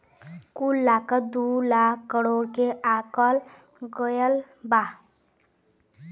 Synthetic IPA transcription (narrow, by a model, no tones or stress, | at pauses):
kulːakʌd̪ulakːʌɽoɽkeʔakʌl | ɡʌjəl | ba